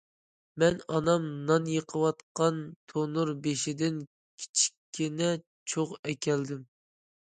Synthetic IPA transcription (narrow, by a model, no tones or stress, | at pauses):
mɛnɑnɑmnɑnjəqʰəwɑt̪qɑnt̪ʰonuɾbeʃɪd̪ɪn | kʲʰi̥t͡ʃʰi̥kʲʰːinɛ | t͡ʃʰoqɛkʲʰɛld̪ɪm